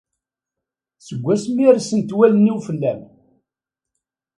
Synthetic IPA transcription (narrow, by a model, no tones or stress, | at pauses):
səɡʷːæsmiɾsənt̪wælənːiwfəlːæm